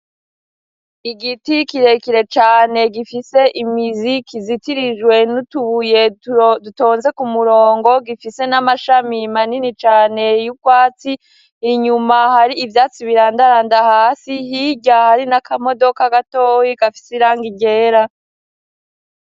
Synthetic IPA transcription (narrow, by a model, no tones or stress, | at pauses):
iɡitikiɾe̞kiɾe̞t͡ʃaːne̞ɡifise̞ʔimizikizitiɾiʒwe̞nutuβuje̞duto̞ːnze̞kumuɾo̞ːŋɡo̞ɡifise̞namaʃamimaninit͡ʃaːne̞jukwaːt͡siː | ɲumahaɾiːvjaːt͡siβiɾaːndaɾaːndahaːsihiɟahaɾinakamo̞do̞kaɡatoːwikafi̥seiɾaːŋɡiɟe̞ːɾa